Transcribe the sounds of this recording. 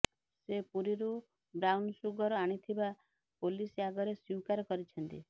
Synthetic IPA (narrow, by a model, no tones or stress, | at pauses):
sepuɾiɾu | bɾawnsuɡɔɾɔaɽ̃it̪ʰiba | poliseaɡɔɾesiwkaɾɔkɔɾit͡ʃʰɔnt̪i